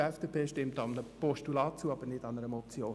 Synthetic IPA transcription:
ɛfd̥eːpʰeːʃtɪmtɑnəpɔʃtulɑːt̚t͡suːəɑb̥əɾnɪdɑnəɾəmɔp̚t͡sjoː

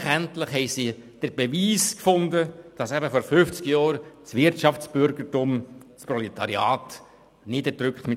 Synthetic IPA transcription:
χæntləχɦɛɪsid̥əɾb̥ɛʋiːskfʊnd̪əd̥ɑsæbəfɔɾfʏft͡skjɑːɾsʋɪɾtt͡ʃɑft͡sb̥ʏɾɡərtumsprɔlɛt̪ɑɾiɑːt̪ | nɪdəd̥ɾʏkχtmɪ

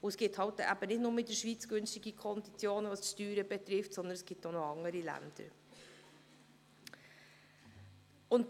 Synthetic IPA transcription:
ʊəsɡ̥ɪthɑltʔæbənɪtnʊːɾmɪt̚d̥əɾʃʋiːt͡sɡ̥ʏnstɪɡəkʰɔnd̪it͡sjoːnənʋɑsʃtyːɾəbɛt̪ɾɪftsɔnd̪ənɛsɡ̥ɪptonoɑŋəɾilæ̰nd̥̪ə̰ɾ | ʊnt

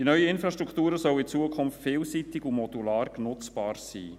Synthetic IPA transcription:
d̥inœʏəɪnfɾɑʃtɾʁukʰt̪uːɾəsœlɪt͡suəkʰʊmftfɪːlsit̪ɪɡumɔdulɑːɾknʊt͡sb̥ɑːɾsḭː

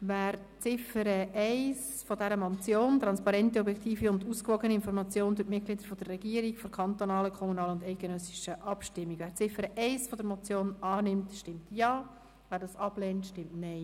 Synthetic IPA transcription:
væːɾ | t͡sɪfəɾəʔɛɪs | fɔdɛɾəmɔt͡sjoːnt̪ɾɑnspɑɾɛntiɔbjɛktiːfiʊnduːskʋɔɡəniɪnfɔɾmɑt͡sjoːnd̥ʊtmɪt̚ɡlɪd̪əɾfɔd̥ərːɛɡiːəɾikfoɾkʰɑnt̪onɑːləkʰɔmunɑːləʊndɛɪt̚ɡ̥ənœsiʃəʔɑpʃtɪmːikʋæːɾt͡sɪfəɾəʔɛɪsfɔdəɾmɔt͡sjoːnɑːnɪmtʃtɪmtjɑː | væːɾdɑːsɑb̥lɛːntʃtɪmtnɛɪ

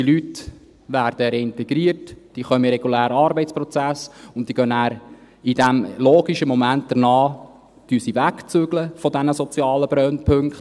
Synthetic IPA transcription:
d̥̪ilyt | ʋæːrd̥əɾɛɪntɛɡɾiːərtd̥iːχœməɾɛɡulæːɾɑːɾbɛɪtt͡spɾɔt͡sæsʊnt̚d̥iːɡœnæːɾ | idæmloːɡiʃəmɔmænt̚d̪̥əɾnɑː | d̥ysiʋækt͡søɡləfɔdænəsɔt͡sjɑːləbɾœnpʰɵŋkχt

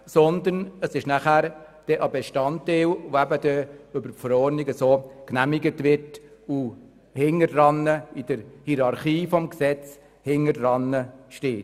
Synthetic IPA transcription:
sɔnd̪ənəsɪʃnæχæːɾ | d̥ɛʔɑbeʃtɑntːeːlʋoæbəd̥̪ɛʏbəfəɾɔɾnɪɡəsoːknæmɪɡətʋɪɾtu | hɪŋəɾɾɑnəɪd̥əɾhiɾɑɾχiːfɔmksɛt͡s | hɪŋəɾrɑnːəʃteːt

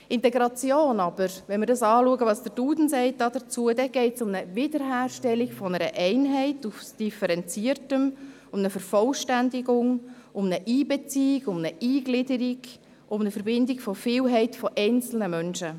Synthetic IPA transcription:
ɪntɛɡɾɑt͡sjoːnɑb̥əɾʋɛnmɪɾdɑsɑːluəɡəʋɑːsd̥əɾd̥uːdn̩sɛɪt̚dɑːd̥ət͡suədɛɡ̥ɛɪtsʊmnəvɪdəɾɦæːrʃtɛliɡfɔnəɾəʔɛɪnɦɛɪtufsd̥ifəɾɛnt͡siəɾtəm | ʊmnəfəɾfɔlʃtændɪɡʊŋʊmnəʔiːbɛt͡siːɪɡ̥ʊmnəʔiːɡlɪdəɾiɡ | ʔʊmnəfəɾbɪndɪɡ̥fɔfɪːlɦɛɪtfɔʔɛɪnt͡sl̩nəmœnʃə

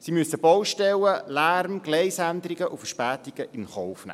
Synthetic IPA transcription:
simyəsəbɔwʃtɛləlæɾmɡ̥leɪsænd̪əɾiɡəʔufəʃpæːtiɡ̥əʔɪnχɔʊfnæ̰

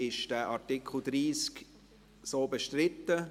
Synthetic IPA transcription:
ɪʃd̥æːʔaɹtɪkʰl̩d̥̪ɾiːsk | soːbɛʃtɾɪtːə

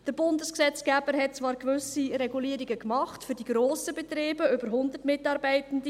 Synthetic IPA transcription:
d̥əɾbʊndəsksɛt͡sɡ̥æːbəɾɦɛt̚t͡sʋɑːɾkʋʏsiɾɛɡuliːəɾiɡəkmɑχtfʏɾdiɡɾoːsəbɛt̪ɾeːbəʏbəɾɦʊndətmɪtɑːɾbɛɪtən̩də

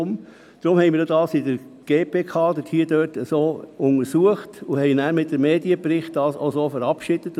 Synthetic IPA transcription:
m | d̥ɾʊmhɛɪnmiːdjodɑːsɪdəɾ | ɡ̥eːpʰeːkʰɑːdəthiːədœːtəsoːʊnəɾsuəχtʊhɛɪnæːɾmɪt̚d̥əmeːdiəpɾɪχt̚d̥ɑːso̰ʊsoːfəɾɑpʃid̥ət

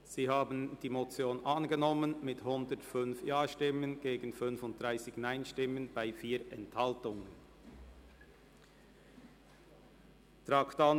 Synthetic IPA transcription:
z̥iːhaːbn̩d̥iːmot͡sjoːnʔanɡənɔmənmɪthʊndətfʏnfjaːʃtɪmənɡ̥eːɡn̩fʏnfʊnt̚d̥ʁaɪsɪçnaɪnʃtɪmənb̥aɪfiːʔɛnthaltʊŋən | tʁakta

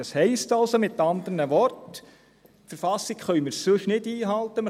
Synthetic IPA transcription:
ɑshɛɪstɑlsomɪt̪ːɑnd̪ənəʋɔrt | fəɾfɑsːikχœʏmɪɾssʏʃnɪdiːɦɑlt̪əm

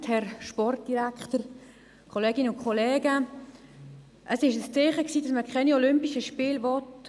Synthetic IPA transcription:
thɛɾʃpɔrt̚d̥iɾækχtəɾ | kʰɔleːɡ̥ɪnəʊnkʰχɔleːɡə | ʔəsɪʃəst͡seːχəksiːdɑsməɾkʰχɛniɔlʏmpiʃəʃpiːlʋɔt

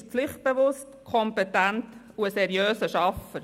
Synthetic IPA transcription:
flɪχt̚b̥eʋʊstkʰɔmpɛtænt | uəsɛɾjøːsəʃɑfəɾ

